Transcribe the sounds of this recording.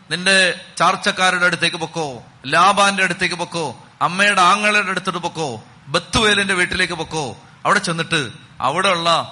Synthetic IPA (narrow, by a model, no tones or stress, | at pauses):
ninde̞t͡ɕaːrt͡ɕːɐkːaːɾuɽɐɽut̪ːe̞ːkʲːɨpokːoː | laːbaːndeɐɽut̪ːekːɨpokːoː | ɐmːejɐɽeaːŋːɐɭiɽeɽut̪ːiʈːɨpokːoː | be̞t̪ːuʋeːlinde̞ʋiːʈːileːkːɨpokːoː | ɐʋiɽe̞t͡ɕenːiʈːɨ | ɐ̰ʋiɽeuɭːɐ